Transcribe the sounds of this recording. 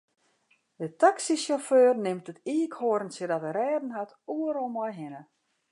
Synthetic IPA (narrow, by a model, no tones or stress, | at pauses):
dətaksisjoføːrnɪmtətiːkhoəɾn̩sədɔtərɛːdn̩ɦat | uəɾɔlˠmɔjɦɪnə